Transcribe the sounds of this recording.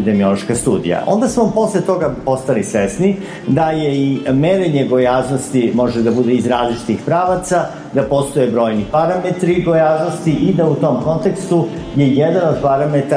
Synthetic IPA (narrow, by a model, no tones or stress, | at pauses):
id̪emio̞lˠo̞ʃkast̪uːd̪ḭja̰ʔo̞̰nd̪asmopo̞slet̪o̞ɡapo̞st̪alisʋesni | d̪ajeimeɾeɲeɡo̞jaːznost̪imo̞ʒed̪abud̪eizɾaːzlit͡ʃi̥t̪ixpɾaːʋat̪sa | d̪apo̞st̪o̞jebɾo̞ːjnipaɾamet̪ɾiɡojaːzno̞st̪iʔid̪aut̪o̞mko̞nt̪e̞kst̪u | je̞jed̪ano̞d̪paɾamet̪a